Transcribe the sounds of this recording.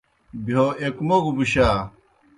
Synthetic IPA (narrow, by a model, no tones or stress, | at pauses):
bioekmoɡubuɕaː